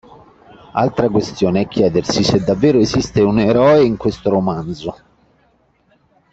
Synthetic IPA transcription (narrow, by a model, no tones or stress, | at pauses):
alt̪ɾakwest̪joːneɛkʲːjɛːd̪ersised̪ːavːeːɾoezist̪euneɾɔːeiŋkwest̪oɾomand̪zo